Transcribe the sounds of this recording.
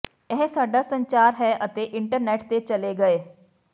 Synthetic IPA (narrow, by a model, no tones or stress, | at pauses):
ɛɦsaːɖasə̃ɲt͡ʃaːɾɦɛʔɐt̪eʔɪ̃ɳʈəɾnɛːʈt̪et͡ʃɐleɡɐeː